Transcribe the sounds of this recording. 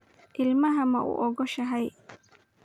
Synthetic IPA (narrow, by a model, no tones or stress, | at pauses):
ʔɪlmɐɦɐmɐʔʊ̰ʔɔɡɔʃɐɦɛj